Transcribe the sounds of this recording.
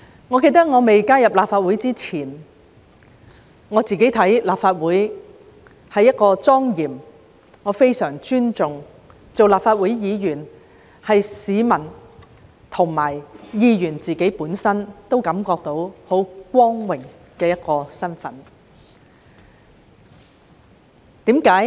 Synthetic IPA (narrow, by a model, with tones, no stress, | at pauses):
ŋɔː˨˧ke˧jt̪ɐ˥k̚ŋɔː˨˧me˨jkaː˥jɐ˨p̚laː˨p̚faː˧t̚wuː˨˥jt͡siː˥t͡sʰiː˨˩n | ŋɔː˨˧t͡siː˨ke˨˥jt̪ʰɐ˨˥jlaː˨pfaː˧t̚wuː˨˥j | hɐ˨jːɐ˥t̚kɔː˧t͡sɔː˥ŋjiː˨˩m | ŋɔː˨˧fe˥jsœː˨˩ŋt͡ʃyː˥nt͡sʊ˨ŋ | t͡so˨wlaː˨p̚faː˧t̚wuː˨˥jjiː˨˧jyː˨˩n | hɐ˨jsiː˨˧mɐ˨˩n | t̪ʰʊ˨˩ŋmaː˨˩jjiː˧jyː˨˩nt͡siː˨ke˨˥jpuː˨˥nsɐ˥nt̪o˥wkɐ˨˥mkɔː˧k̚t̪o˨˥who˨˥wkʷɔː˥ŋwɪ˨˩ŋ | kɛː˧jɐ˥t̚kɔː˧sɐ˥nfɐ̰˨˥n | t̪iː˨˥mkaː˨˥j